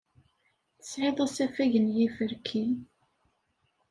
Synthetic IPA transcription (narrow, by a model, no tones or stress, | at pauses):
θəsʕɪðˤæsæfæʝənjifəɾkʰi